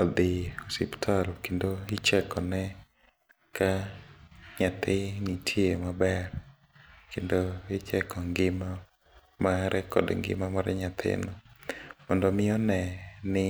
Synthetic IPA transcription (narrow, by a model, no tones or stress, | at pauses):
ɔd̪ɪosiptʰalɔkendoɪt͡ʃɛkɔnɛ | ka | ɲat̪ɪnitʰjemabɛr | kendoɪt͡ʃɛkɔŋɡɪma | maɾɛkɔ̰dŋɡɪ̰mamaɾɛ̰ɲat̪ʰɪ̰nɔmɔndɔmɪɔnɛnɪ